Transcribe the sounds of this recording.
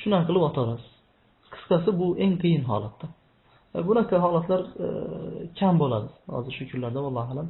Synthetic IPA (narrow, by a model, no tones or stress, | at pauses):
ʃʊnaqʰɨlˠɪpɒt̪ʰɒɾasɪz̥ | qʰɨ̥sqasɪbʊe̞ŋqʰɨjɪnɦɒ̰lat̪ʰːa | bʊnaqʰɑɦɒlat̪ʰlaɾ | kʲʰambolad̪ɪz̥hɒ̰zɪɾʃʊkʲʰʊnlaɾd̪awɒlˠːɑalam